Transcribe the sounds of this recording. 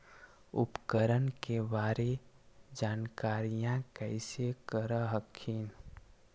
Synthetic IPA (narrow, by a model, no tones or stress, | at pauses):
ʊ̰pkəɾənkebaːɾe | d͡ʒaːnkaːɾijãkəɪsekəɾəɦəkʰːin